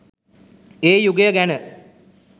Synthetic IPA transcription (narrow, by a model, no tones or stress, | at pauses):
eːjuɡejəɡænə